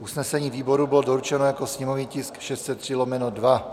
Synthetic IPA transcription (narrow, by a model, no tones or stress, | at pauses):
ʔusnɛsɛɲiːviːboɾubɪlodoɾut͡ʃɛnojakosɲɛmovniːcɪskʃɛst̪t͡sɛt̪ːr̝̥ilomɛnodva